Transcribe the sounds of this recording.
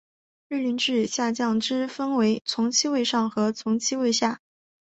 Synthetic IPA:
ɻ̩˥˩ly˧˥nʈ͡ʂɻ̩˥˩ɕja˥˧t͡ɕjɑ˥˩ŋʈ͡ʂɻ̩˥fə˥nwe˧˥ɪt͡sʰʊ˧˥ŋt͡ɕʰi˥we˥˧ɪʂɑ˥˩ŋxɤ˧˥t͡sʰʊ˧˥ŋt͡ɕʰi˥we˥˧ɪɕja˥˩

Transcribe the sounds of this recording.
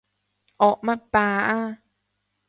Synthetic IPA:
ʔɔ˨ʔma˧˨paː˧ʔa˧˥

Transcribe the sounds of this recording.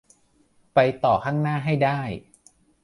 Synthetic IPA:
pa˧jt̪ɔː˨˩kʰaː˥˩ŋnaː˥˩ɦa˥˩jdaː˥˩j

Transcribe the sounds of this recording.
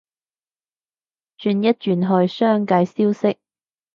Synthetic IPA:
t͡ʃyː˧njɐ˥t̚t͡ʃyː˨nɦɵ˧jsœː˥ŋkaː˧jsiː˥wsɪ˥k̚

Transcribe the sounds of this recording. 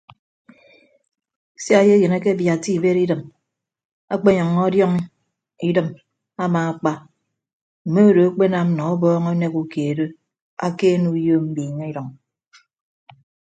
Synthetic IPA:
si˦a˦je˦je˨na˦ke˦bja˨ti˦i˨be˦ɾi˦dɨ˨m | a˦k͡pe˦ɲɔ˨ŋːɔ˦djɔ˦ŋ | i˦dɨ˨m | a˦maː˨a˨k͡pa˦ | m̩˨me˦o˦do˨a˦k͡pe˦na˨m˦nɔ˨ɔ˦bɔː˦ŋo˦ne˦ku˨keː˨do˦ | a̰˦ke˦nu˦jo˦m̩˦bi˨ɲa˦i˦ɾɔ˨ŋ

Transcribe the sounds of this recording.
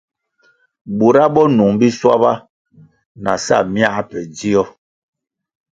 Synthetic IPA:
bu˨ɾa˦bɔ˦nu˨ŋbi˦swa̰˦ba˦ | na̰˨sa̰˦˨mja˦pɛ˨d͡zi˦ɔ˦

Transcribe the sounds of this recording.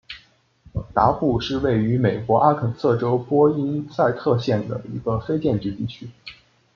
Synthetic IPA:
t̪a˧˥pu˥˧ʂɻ̩˥˧we˥˩ɪy˧˥me˨˩ɪkwɔ˧˥ʔa˥kʰə˨˩nsɤ˥˩ʈ͡ʂo˥ʊpwɔ˥i˥nsa˥˧ɪt̪ʰɤ˥˧ɕjɛ˥˩nd̪ə̰˩i˧˥ɡ̥ə˧fe˥ɪt͡ɕjɛ˥˧nt͡ɕy˥˧t̪i˥˩t͡ɕʰy˥

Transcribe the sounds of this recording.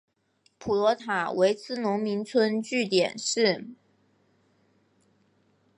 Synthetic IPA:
pʰu˨˩lwɔ˧˥t̪ʰa˨˩˦we˧˥ɪt͡sʰɹ̩˥nʊ˧˥ŋmi˧˥nt͡sʰwə˥nt͡ɕy˥˩t̪jɛ̰˨˩nʂɻ̩˥˩

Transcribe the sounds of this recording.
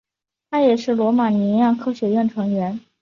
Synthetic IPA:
t̪ʰa˥jɛ˨˩ʂɻ̩˥˩lwɔ˧˥ma˨˩ni˧˥jɑ˥˧˩ŋkʰɤ˥ɕɥɛ˧˥ɥɛ˥˩nʈ͡ʂʰɤ˧˥ŋɥɛ˧˥n

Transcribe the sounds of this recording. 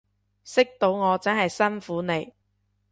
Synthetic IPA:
sɪ˥k̚t̪o˨˥wŋɔː˨˧t͡sɐ˥nhɐ˨jsɐ˥nfuː˨˥ne˨˧j

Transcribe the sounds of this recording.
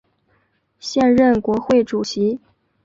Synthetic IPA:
ɕjɛ˥˧nɻə˥˩nkwɔ˧˥xwe˥˩ɪʈ͡ʂu˨˩ɕi˧˥

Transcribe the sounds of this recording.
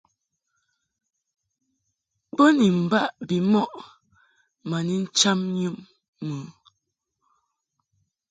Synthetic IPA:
bə˦ni˨m̩˨ba˦˨ʔbi˨mɔ˦ʔ | ma˨ni˦n̩˦t͡ʃa˦mɲɨ˦mː | ə˨˦

